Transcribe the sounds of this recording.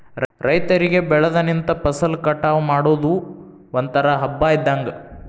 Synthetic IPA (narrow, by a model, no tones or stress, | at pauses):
ɾɐjt̪ɐɾiɡe̞bɛɭɐd̪ɐnint̪ɐpɐsɐlkɐʈːaːʋɐmaːɽoːd̪u | ɐnt̪ɐɾɐɦɐbːaːjid̪ːaːŋɡɐ